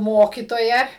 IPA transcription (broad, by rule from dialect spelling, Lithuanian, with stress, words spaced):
ˈmoːkʲɪtoːjɛ